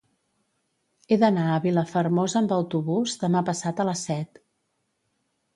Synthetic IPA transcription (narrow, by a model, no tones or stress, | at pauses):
eðənaəβiləfərmozəmbəwt̪uβuzðəmapəsat̪ələsːɛt̪